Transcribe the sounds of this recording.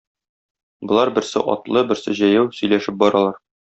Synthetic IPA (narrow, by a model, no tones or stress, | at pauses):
bɤ̆lˠɑɾbɘ̆ɾsɘ̰ʔɒ̰t̪lˠɤbɘ̆ɾsɘʑæjæwsɵ̆jlæʃɘp̚bɒɾɑlˠɑɾ